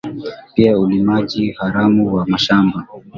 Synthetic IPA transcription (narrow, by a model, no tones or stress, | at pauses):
piaulimaʄihaɾamuwamaʃamba